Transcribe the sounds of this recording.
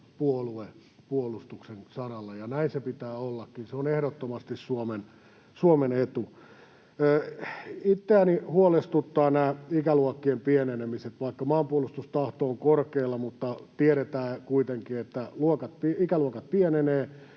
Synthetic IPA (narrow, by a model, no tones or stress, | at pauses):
puolue | puolust̪uksensɑrɑlːɑjɑnæinsepit̪æːolːɑkːinseonehɾot̪ːomɑst̪issuomen | suomenet̪uː | it̪ːeænihuolest̪ut̪ːɑːnæːikæluokːiempienenemiset̪ʋɑikːɑmɑːmpuolust̪ust̪ɑht̪oːŋkorkeːlːɑmut̪ːɑt̪ieɾet̪æːkuit̪eŋkiet̪ːæluokɑt̪̚piikæluokɑt̪̚pieneneː